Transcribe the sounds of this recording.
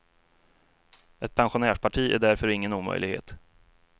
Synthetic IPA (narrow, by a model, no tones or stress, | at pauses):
ʔɛt̪̚pʰɛnɧʊnæːʂpʰaʈʰiːæ̰ɖæɾfœɾɪŋːənuːmœ̰jlɪ̰ɡhḛːt̪